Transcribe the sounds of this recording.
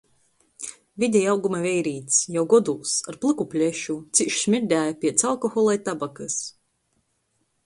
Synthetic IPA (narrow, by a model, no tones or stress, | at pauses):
vʲid̪ʲɛjawɡumavʲɛjɾiːt̪sjawɡɔd̪ulˠsaɾplˠɨkupʲlʲɛʃut̪siʃsmʲiɾd̪ʲæːjapʲiɛt̪salˠkɔxɔlˠajt̪abakɨs